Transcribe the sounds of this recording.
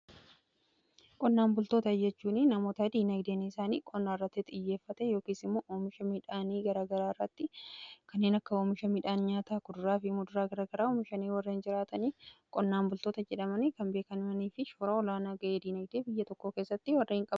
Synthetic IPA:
kʼɔnːaːmbʊlt̪o̞ːt̪ɐjːɛt͡ʃːuːnɪnɐmo̞ːt̪ɐd̪iːnɐjd̪eːnɛɪsaːnḭːkʼɔnːaːɪrːɐt̪ːɪt̪ʼɪjːe̞ːfːɐt̪ɛjo̞ːkiːsɪmːoːʔoːmɪʃɐmɪᶑaːniːɡɐɾaːɡɐɾaːrːɐt̪ːɪkɐnːeːnɐkːɐoːmɪʃɐmɪᶑaːnɲaːt̪aːkʊd̪ʊɾaːfɪmːʊd̪ʊɾaːɡɐɾaːɡɐɾaːomɪʃɐniːwɐrːeːnd͡ʒɪɾaːt̪ɐniːkʼɔnːaːmbʊlt̪o̞ːt̪ɐd͡ʒɛᶑɐmɐnɪkɐmbe̞ːkɐnɪmɐniːfɪʃoːɾɐɔlaːnaːɡɐʔeːd̪iːnɐjd̪eːbɪjːɐt̪ɔkːo̞ːke̞ːsːɐt̪ːɪwɐrːɪhɪŋkʼɐ

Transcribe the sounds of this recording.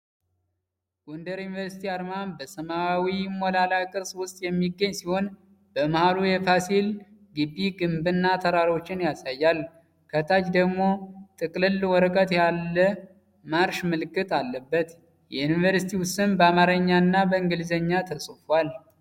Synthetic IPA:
ɡ̥ʼond̪əɾjunivəɾsi̥t̪ʰiaɾmanbəsəmawimolalakʼɨɾsʼwʊst̪ʼjɛmːiɡːəɲːsiho̞n | bəmahalujɛpʰasilɡɨbːiɡɨmbɨnːat̪ʰəɾaɾo̞t͡ʃːɪnjasajːal | kʰət̪ʰat͡ʃd̪əɡmo̞t̪ʼɨkʼlɨlwɔɾəkʼət̪jalːə | maɾʃmɨlɨkːɨt̪ʼalːəbːət̪ | jɛnivəɾsit̪ʰiwʊst̪ɨnbəamaɾəɲːanːabəɨŋɡɨlzəɲːat̪ʰəsʼɨfal

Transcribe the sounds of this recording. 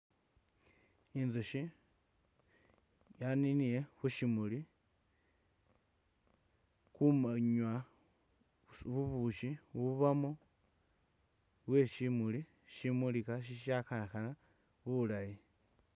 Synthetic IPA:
inzuʃi | janinijeβuʃimuli | kumaɲwa | βuβuuʃiuβamo | βweʃimuli | ʃimulikaʃ̬iʃakanaxana | βulai

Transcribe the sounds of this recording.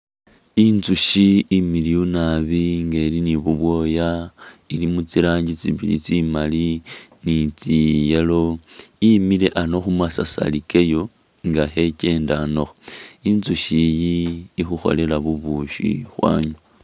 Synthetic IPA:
inzuʃiimiliunaβiŋɡeliniβuβwo̞jailimut͡siɾaːɲɟit͡siβḭlḭt͡simalinit͡sijelo̞imile̞ʔano̞xumwasasa̰likejo̞ | ŋɡaxece̞ːndano̞xoinzuʃijiːxuxo̞̰le̞laβuβuʃḭxwa̰ːɲu

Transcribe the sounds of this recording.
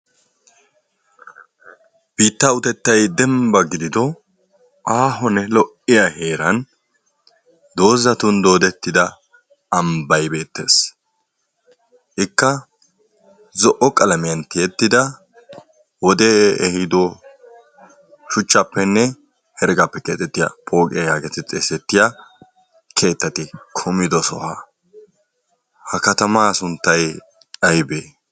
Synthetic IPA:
b̥iːt̪ːɐʊt̪ɛt̪ːɐjd̪ɛmbɐɡɪd̪ɪd̪ɔ | ʔaːɦɔnɛlɔʔɪjɐhe̞ːɾɐn | d̪o̞ːzɐt̪ʊnd̪o̞ːd̪ɛt̪ːɪd̪ɐː | mbɐjbe̞ːt̪ːe̞̰ːs | ʔɪkːɐ | zɔʔɔkʼɐlɐmɪjɐnt̪ɪjɛt̪ːɪd̪ɐ | wɔd̪ɛɛhɪd̪ɔ | ʃʊt͡ʃːɐpːɛnːɛ | hɛɾɡɐpːɛkeːt̪ʼːɛt̪ːɪja̰pʼo̞ːkʼɪ̰jɐjaːɡɛt̪ɪt͡sʼɛsɛt̪ːɪja | kʰe̞ːt̪ːɐt̪ɪkʰʊmɪd̪ɔsɔ̰ha̰ | hɐkɐt̪ɐmaːsʊnt̪ːɐj | ɐjbeː

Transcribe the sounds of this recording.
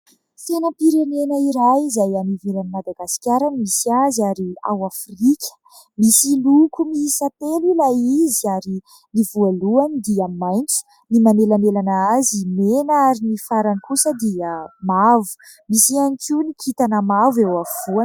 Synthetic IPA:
fenəpiɾenenəiɾajizajaniveɾanimad̪aɡasi̥kʲaɾanmisiazaɾia̰wafrikʲə̥ | misilukumisat̪elulajiziaɾi | nivualuanid̪iamajnt͡su̥ | nimanelanelanaazimenaaɾinifaɾanikusəd̪iəmavu̥ | misianikunikʰit̪anəmavewav̥uan

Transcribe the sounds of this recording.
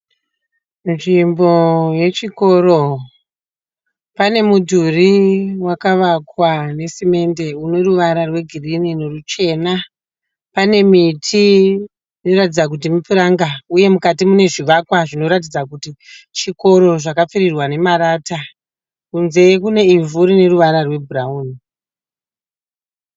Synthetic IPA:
nʐimbo̞je̞t͡ʃiko̞ɾo̞ | pane̞mudʱuriwakaʋakwane̞sime̞nde̞uno̞ruʋaɾarwe̞ɡʱirininorut͡ʃe̞ːna | pane̞mitʰi | ino̞ratid͡zak̬ut̬imupiɾaŋɡauje̞mukatimune̞ʐiʋakwaʐino̞ɾat̬id͡zakutit͡ʃiko̞ɾo̞ʐakap͡firirwane̞maɾaːta | kunze̞kune̞ivuɾine̞ruʋaɾarwe̞bʱurauːni

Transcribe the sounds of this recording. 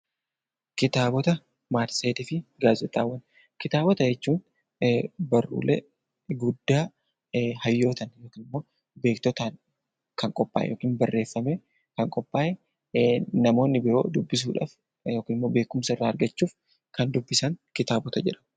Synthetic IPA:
kɪt̪aːbɔt̪ɐ | maːɾt̪seːt̪ɪfɪɡaːzɛt̪ʼːa̰ːwːɐn | kɪt̪aːbɔt̪ɐd͡ʒɛt͡ʃːuːn | bɐrːṵːlɛ̰ | ɡʊd̪ːaː | hɐjːo̞ːt̪ɐnjo̞ːkiːnɪmːo̞ː | be̞ːkt̪ɔt̪aːn | kɐŋkʼɔpʼːa̰ːjɛ̰joːkiːnbɐrːe̞ːfːɐmɛ | kɐŋkʼɔpʼːaːjɛ | nɐmo̞ːnːɪbɪɾo̞̰ːd̪ʊbːɪs̬ṵːᶑa̰ːf | jo̞ːkiːnɪmːo̞ːbe̞ːkʊmsɐɪrːaːɐɾɡɐt͡ʃːuːf | kɐnd̪ʊbːɪsɐŋkɪt̪aːbɔt̪ɐd͡ʒɛᶑɐ̥m

